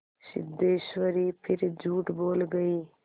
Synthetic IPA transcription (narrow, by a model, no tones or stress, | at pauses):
sɪ̰d̪eːʃʋəɾipʰɪɾd͡ʒʱuːʈboːlɡəiː